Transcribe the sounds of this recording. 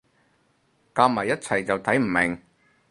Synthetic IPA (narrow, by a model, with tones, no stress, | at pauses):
kaː˧mɐ˨˩jːɐ˥t̚t͡sʰɐ˨˩jt͡sɐ˨wt̪ʰɐ˨˥jm̩˨˩mɪ˨˩ŋ